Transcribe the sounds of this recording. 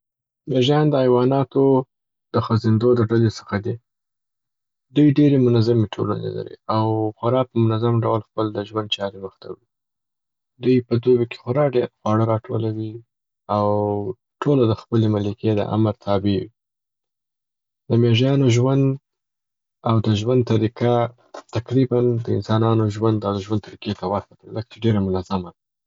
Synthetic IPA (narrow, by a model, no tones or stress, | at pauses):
meʒjɑnd̪əajwɑnɑt̪o | d̪̥əxəzɪnd̪od̪əɖalesə̥xad̪i | d̪ujɖeɾemʊnazameʈʰola̰nḛla̰ɾḭawxaɾɑpəmʊnazamɖawlxpəld̪əʒwand̪̚t͡ʃɑɾeməxt̪ʰa̰wi | d̪ujpəd̪obeke̥xʊɾɑɖeɾxwɑɽəɾɑʈʰo̰lawi | aw | ʈʰolod̪əxpəlemalikʰed̪ə̰ʔa̰məɾt̪ʰɑbewi | d̪əmeʒjɑnoʒwand̪ | awd̪əʒwand̪t̪aɾika | t̪akɾiband̪əɪ̰nsɑnɑnoʒwand̪awd̪əʒwand̪t̪aɾiket̪awapat̪leləkḁt͡ʃeɖeɾamʊnazamad̪a